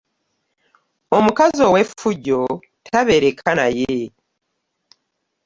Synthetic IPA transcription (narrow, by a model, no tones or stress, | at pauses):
omukazowefuɟo̞ | tʰaβe̞ɾe̞kʰanaje